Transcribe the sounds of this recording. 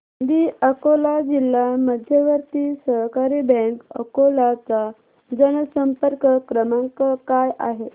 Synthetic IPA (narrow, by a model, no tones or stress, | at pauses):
d̪iəkolad͡ʑilːaməd̪ʱjəʋəɾt̪iːsəɦkaɾibɛ̃ŋkə̰kolat͡sa | d͡zənəsəmpəɾkəkɾəmaŋkəkajʔa̰ɦe